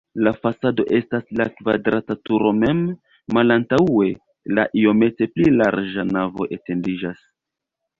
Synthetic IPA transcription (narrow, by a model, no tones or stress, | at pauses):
lafasado̞ʔe̞staslakva̰dɾatatuɾo̞me̞mː | alantae̞ | la̰ʔio̞me̞te̞plilaɾd͡ʒanavo̞ʔe̞te̞ndid͡ʒas